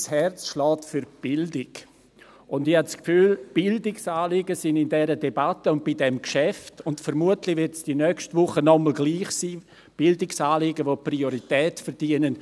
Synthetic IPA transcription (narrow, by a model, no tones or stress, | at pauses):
shɛrt͡sʃlɔːtfyɾb̥ɪldɪɡ | ʊndɪhatskfyːlb̥ɪldɪksaːlɪɡəsɪndɪndɛɾədebatəʊnt̚b̥ɪdɛmkʃɛftʊntfəɾmuətlɪvɪrtsd̥inœkʃtvʊχənɔməl̩ɡliːχsiː | b̥ɪldɪksaːlɪɡəʋoprioɾitɛːtfəɾdiənən